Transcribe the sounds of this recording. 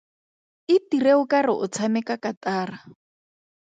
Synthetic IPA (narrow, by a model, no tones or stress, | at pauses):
ɪtireʊkarɪʔʊt͡sʰamɛkakataːra